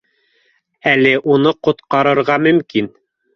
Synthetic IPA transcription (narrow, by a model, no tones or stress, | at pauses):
ælɘʔunɤqŏt̪qɑɾɤ̆ɾʁɑmɵ̆mkin